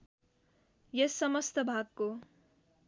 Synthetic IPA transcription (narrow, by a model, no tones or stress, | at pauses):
jʌsːʌmʌst̪əbʱaɡko